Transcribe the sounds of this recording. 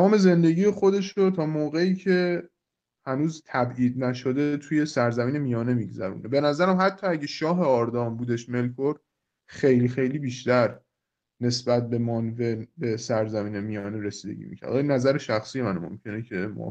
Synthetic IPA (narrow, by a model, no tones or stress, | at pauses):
æmɒːme̞ze̞nd̪e̞ɟiːje̞xo̞d̪e̞ʃɾot̪ʰɒːmoːɣe̞iːcʰe̞ | hænuːzt̪ʰæbʔiːd̪̚næʃo̞d̪e̞t̪ʰuje̞sæɾzæmiːne̞mijɒːne̞miɡzæɾṵːnebe̞næzæɾæmhæt̪ʰːɒːæɟeʃɒːɦe̞ɒɾd̪ɒːmbuːd̪e̞ʃme̞lkʰoɾ | xejlixe̞jliːbiːʃt̪æɾ | ne̞sbæt̪̚be̞mɒnve̞be̞sæɾzæmiːnemijɒːneɾe̞siːd̪e̞̰ɟʲḭmḭcʰæ̰ɾd̪ɒːjnæzæɾeʃæxsijemænmo̰mcʰe̞necʰe̞mɒ̰ː